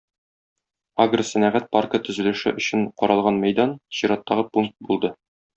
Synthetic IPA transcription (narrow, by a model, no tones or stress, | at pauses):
aɡrəsænæʁæt̪̚parkət̪ɵ̆zɘ̆lɘ̆ʃɘ̰ʔɵ̆ɕɘɴqɒɾɑlˠʁɑnmæjd̪ɑnɕiɾɑt̪ːɑʁɤpuŋk̚t̪̚bulˠd̪ɤ